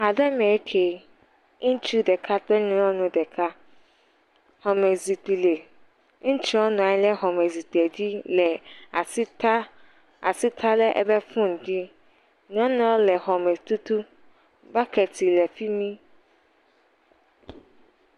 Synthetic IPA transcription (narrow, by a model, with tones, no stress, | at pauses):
a˨dɛ˦mẽ˨˦kʰe˨ | ŋ̩˦t͡ʃu˦dɛ˨kʰa˦tɛ˦nĩ˦ɔ˦nʊ̃˨dɛ˨kʰa˦ | hɔ˨mɛ˨zi˨k͡pi˨le˨ | ŋ̩̃˦t͡ʃi˦ɔ˦nɔ̃˨ã˨˦lɛ˦ɦɔ˨mɛ˨zi˨tɛ˨d͡ʑi˦lɛ˨a˨sta˦ | a˨si˦t̪ʰa˦lɛ˦ʔɛ̰˨bɛ˦fʊ̃˦n˨d͡ʒi˦ | nɔ̃˦nɔ̃˦lɛ˨ɦɔ˨mɛ˨t̪u˦t̪u˦ | ba˦kʰɛ˨tʰi˨lɛ˨fi˦mĩ˦